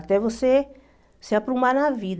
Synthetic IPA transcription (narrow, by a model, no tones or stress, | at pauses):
t̪ɛvose | seapɾumanavid̪